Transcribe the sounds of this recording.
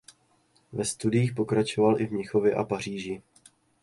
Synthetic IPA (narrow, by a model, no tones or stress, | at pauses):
vɛst̪udɪjiːxpo̞kɾat͡ʃo̞valʔɪvɲɪxo̞vjɛʔa̰par̝iːʒɪ